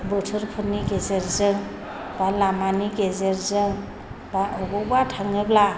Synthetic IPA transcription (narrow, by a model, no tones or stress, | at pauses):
bɯtʰɯɾpʰɯniɡezeɾzɯŋ | balamaniɡezeɾzɯŋ | baʔɔɡɔbatʰaŋɯbla